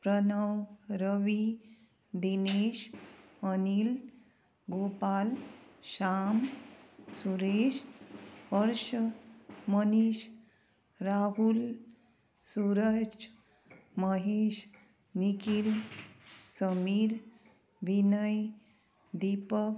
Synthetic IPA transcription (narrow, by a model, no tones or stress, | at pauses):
pɾənəwɾəʋi | d̪ineɕənil | ɡopalɕam | suɾeɕɦəɾʃəməniʃ | ɾaɦul | suɾət͡ʃ | məɦeːɕ | nikil | səmiːɾ | ʋinəj | d̪ipək